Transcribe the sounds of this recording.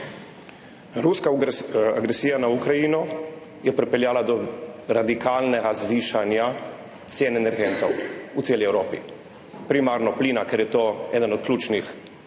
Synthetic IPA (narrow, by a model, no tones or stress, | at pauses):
ɾuskaa̰ɡɾesiːjanaukɾajinɔ | jɛpɾɛpɛljaːlad̪ɔɾad̪ikaːlnɛɡazʋiːʃanja | t̪sjeːnɛnɛɾɡent̪owut̪seːliɛwɾoːpḭ | pɾimaːɾnɔpliːnakeɾjɛt̪oːɛːd̪ənɔt̪̚klʲuːt͡ʃnix